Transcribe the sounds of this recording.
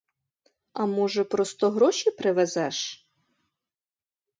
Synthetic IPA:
ɐmɔʒɛpɾɔst̪ɔɦɾɔʃʲipɾɪʋɛzɛʃ

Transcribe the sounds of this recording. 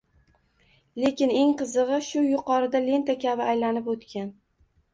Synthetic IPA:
le̞kʲɪne̞ŋqɨzɨʁɨʃʊjʊqʰɒɾɪd̪ale̞nt̪akʲʰabɪajlanɪpot̪kʲan

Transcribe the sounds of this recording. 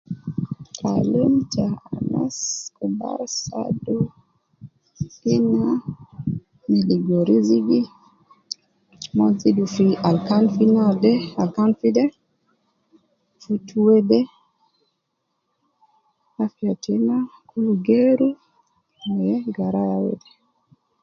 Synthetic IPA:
kʰa̰lemt͡ʃaana̰skuba̰ɾsa̰do | ina | miliɡoɾiziɡi | mɔzidufialkanfinadɛalkanfidɛ | futʰuwɛdɛ | afjatinakʰuluɡeɾu | jɛɡaɾajawḛdɛ

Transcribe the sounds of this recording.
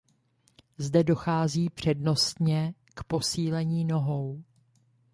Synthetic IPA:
zdɛdo̞xaːziːpr̝̥ɛdno̞st̪ɲɛ | kpo̞siːlɛɲiːno̞ɦo̞w

